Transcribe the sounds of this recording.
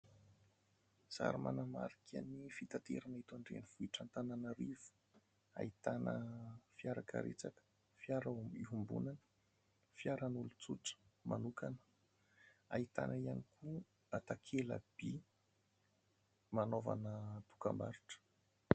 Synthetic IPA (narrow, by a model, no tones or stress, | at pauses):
sa̰ɾima̰nama̰ɾikʲa̰nifit̪at̪ḛɾanit̪aɳɖ͡ʐḛniv̥uiʈ͡ʂant̪ananəɾivu̥ | a̰it̪anə̰fiaɾakə̰ɾet͡sakə̥ | fjaɾaiɦumbṵnanə̥ | fiaɾanulut͡suʈ͡ʂə̥manukanə̥ | ait̪a̰naianikʰu | at̪akʰelə̰b̥i | manova̰nət̪u̥ka̰mbaɾiʈ͡ʂə̥